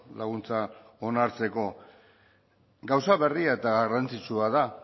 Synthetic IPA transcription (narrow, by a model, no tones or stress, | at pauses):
laɣ̞unt͡sa | o̞naɾt͡se̞ko̞ | ɡawsaβe̞riae̞t̪aɣarant͡sit͡ʃuaða